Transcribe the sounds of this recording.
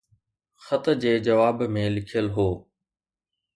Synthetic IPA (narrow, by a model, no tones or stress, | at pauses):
xɐt̪d͡ʑeːd͡ʑɐʋaːbmẽlɪkʰijəlɦoː